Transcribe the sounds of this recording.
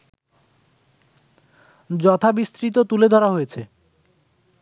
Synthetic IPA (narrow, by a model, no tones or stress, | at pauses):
d͡ʑɔt̪ʰabist̪ɾit̪̬ot̪uled̪ʱɔɾaɦojet͡ɕʰe